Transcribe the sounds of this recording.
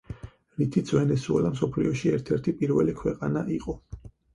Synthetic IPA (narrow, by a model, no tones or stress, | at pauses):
ɾit̪ʰit̪sʰvɛnɛsuɛ̰lamsɔpʰliɔʃiɛɾt̪ʰɛɾt̪ʰipʼiɾvɛlikʰwɛqʼanaʔiqʼɔ